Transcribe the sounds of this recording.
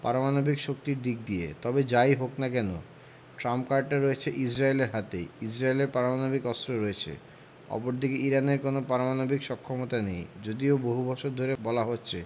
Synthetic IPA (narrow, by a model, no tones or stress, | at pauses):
pa̰ɾomanobikʃok̚t̪iɾd̪ik̚d̪iḛt̪ɔbed͡ʑajɦoknakɛno̰ | ʈɾampkaɾɖ̚ʈaɾɔet͡ɕʰeʔid͡ʑɾaeleɾɦat̪ḛid͡ʑɾaeleɾpaɾomanobikɔst̪ɾoɾɔet͡ɕʰḛ | ɔ̰poɾd̪ʱikeiɾaneɾkonopaɾomanobikʃɔkʰːomot̪anejd͡ʑod̪ioboɦubɔʃoɾd̪ʱoɾebɔlaɦotːɕʰe